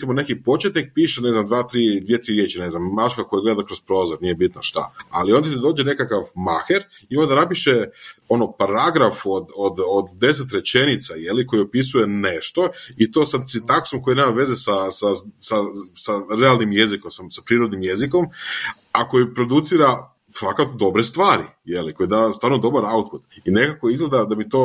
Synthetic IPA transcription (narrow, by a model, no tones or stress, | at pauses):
simone̞kipo̞t͡ʃet̪nik̚piːʃene̞znamd̪ʋaːt̪ɾid̪ʋijet̪ɾiɾje̞ːt͡ʃine̞znamːat͡ʃkako̞jaɡled̪akɾo̞spɾo̞ːzoɾnije̞bit̪naʃt̪a̰a̰lio̞nd̪at̪id̪oːd͡ʒene̞kakaʋmaxeɾ | io̞nd̪anapiʃeo̞no̞paɾaɡɾafod̪od̪od̪ːe̞s̬et̪ɾe̞t͡ʃe̞nit̪saje̞liko̞jiopis̬uje̞ne̞ʃt̪o̞it̪o̞ːsasit̪aksomko̞jineːmaʋe̞zesasasasaɾe̞alˠnimje̞zikomsasapɾiɾod̪nimje̞zikom | ako̞jipɾod̪ut̪siɾa | fakat̪od̪o̞bɾest̪ʋaːɾḭ | je̞liko̞jed̪ast̪ʋaːɾnod̪o̞baɾaut̪̚put̪ine̞kakojizɡled̪ad̪abit̪o̞ː